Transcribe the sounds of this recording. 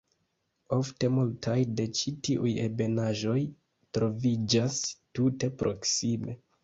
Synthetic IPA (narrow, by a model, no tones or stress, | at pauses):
o̞fte̞multʰajde̞t͡ʃitiʔujebe̞naʒo̞j | tɾo̞vid͡ʒastute̞pɾʔo̞ksime̞